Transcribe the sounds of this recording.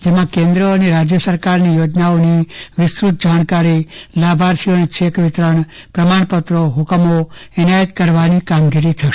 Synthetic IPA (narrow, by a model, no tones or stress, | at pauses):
d͡ʒemãkẽnd̪ɾəːneɾad͡ʒjəsəɾkaɾnijod͡ʒnaoniʋɪsɾut̪̚ʰd͡ʒaɳ̃kaɾilabʱaɾsijonit͡ʃʰekʋɪt̪ɾəɳ̃ | pɾəmaɳ̃pət̪ɾoɦʊkəmoɪnajət̪kəɾʋanikamɡiɾit̪ʰəʃe